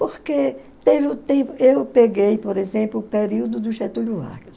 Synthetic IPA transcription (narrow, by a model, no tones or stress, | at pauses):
poɾke | t̪evɪut̪ẽpʊewpeɡejpoɾezẽmplʊpeɾiwd̪ʊd̪ʊʃet̪uʎua̰kis